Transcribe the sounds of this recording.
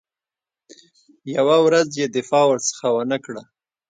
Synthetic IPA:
jawawɾazjed̪ɪfɑwəɾt͡sə̥xawənəkɽa

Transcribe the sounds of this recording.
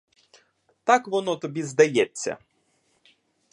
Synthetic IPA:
t̪akʋɔnɔt̪ɔbʲizd̪ɐjɛt͡sʲːɐ̰

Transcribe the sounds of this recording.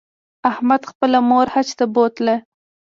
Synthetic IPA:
ahmad̪xpəlamoɾhat͡ʃt̪abot̪la

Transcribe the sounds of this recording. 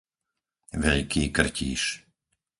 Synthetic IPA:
ʋɛʎkiːkr̩cḭːʃ

